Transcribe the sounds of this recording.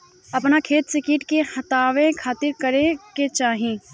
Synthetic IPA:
ɐpnakʰeːt̪sɪkɪːʈkehɐt̪aːʋẽkʰaːt̪ɪɾkɐɾẽket͡ʃaːɦẽː

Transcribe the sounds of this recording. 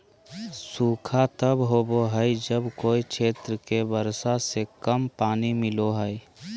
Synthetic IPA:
suːkʰat̪əbɦoːboɦəid͡ʒəbkoːikʃʰeːt̪ɾəkebəɾsasekəmpaːnimɪloɦəi

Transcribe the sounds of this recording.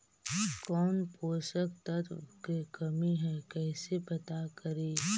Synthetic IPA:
kɔːnpoːsək̚t̪ɐt̪kekɐmiɦɛ̃kɛːsepɐt̪akɐɾeː

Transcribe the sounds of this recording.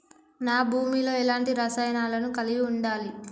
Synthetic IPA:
naːbʱuːmiːlo̞ːilaːɳʈiɾɐsaːjnaːlɐnukɐliɡiuɳɖaːli

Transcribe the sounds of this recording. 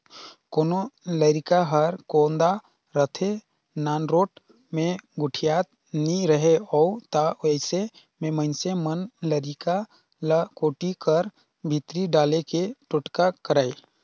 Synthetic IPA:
koːnoləɾɪkaɦəɾkoːnd̪a | ɾət̪ʰe | naːnɾoːʈ | mẽɡʊʈʰijaːt̪ | nĩɾəɦeɔːt̪aɛɪse | mẽmənsemənləɾɪka | lkoːʈikəɾ | bʱit̪ɾiɖaːlekeʈʊʈkakəɾaːi

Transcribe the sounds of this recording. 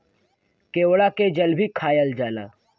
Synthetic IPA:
keːwɽaked͡ʒəlbʱikʰaːjəld͡ʒaːla̰ː

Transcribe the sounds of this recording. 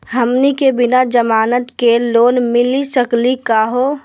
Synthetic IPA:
ɦəmnikebɪnad͡ʒəmaːnət̪keloːnmɪlisəklikaːɦo

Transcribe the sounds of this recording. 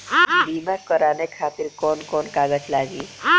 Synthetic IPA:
bimakəɾaːnekʰaːt̪iɾkɔːnkɔːnkaːɡət͡ʃlaːɡiː

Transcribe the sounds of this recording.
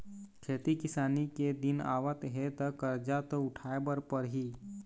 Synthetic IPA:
kʰeːt̪ikɪsaːniked̪ɪna̰ːʋət̪ɦet̪ɐkəɾd͡ʒat̪oʊʈʰaːebəɾpəɾɦiː

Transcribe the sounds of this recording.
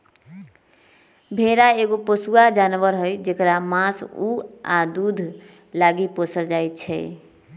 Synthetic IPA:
bʱeɾaeɡopəsuad͡ʒanʋəɾɦojd͡ʒekɾamãsuad̪ud̪ʱ | laɡiposəld͡ʒajt̪̚t͡ʃʰɛ̰

